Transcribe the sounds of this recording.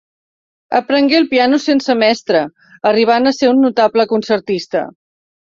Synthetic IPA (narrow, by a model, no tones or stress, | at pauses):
ə̰pɾəŋɡelˠpianusensəmɛst̪ɾəː | riβ̞anəseunːut̪abləkunsəɾt̪ist̪ə̰